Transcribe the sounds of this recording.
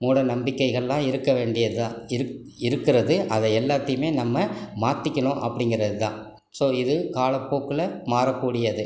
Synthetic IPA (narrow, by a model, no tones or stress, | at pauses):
muːɽɐnɐmbɪkːɐɪɣɐɭɛlãːɪɾɯkːɐʋeːɳɖɪjɐãːɪ | ɪɾɯkːɪɾɐðɯʔɐðɐɛlːaːt̪ːɐjɯmeːnɐmːɐmaːt̪ːɪkʲːɐɳõʔɐpːɐɽɪŋɡɪɾɐðɯt̪ã̰ː | soːɪðɯkaːlɐpːoːkːɪlɐmaːɾɐkːuːɽɪjɐðɯ